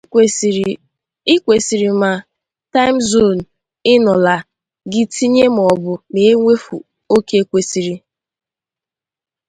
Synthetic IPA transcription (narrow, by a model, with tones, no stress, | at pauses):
ɪ˦kʷe˨si˨ɾi˨ma˨ | ta˦ɪ˦m̩˦zo˦˨n̩˨ | ɪ˦nɔ˨la˨ | ɡɪ˦ti˦ɲe˦m̩˨ɔ˨bʊ˨me˨e˦ŋʷe˦fu˨ | o˦ke˦e˦kʷe˦si˨ɾi˦